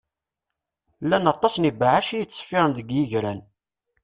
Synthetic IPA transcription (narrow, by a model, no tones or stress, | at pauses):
lːænɑt̪ˤːɑsnibaʕaʃijət͡sːfɪʁənðəɡjiʝɾæn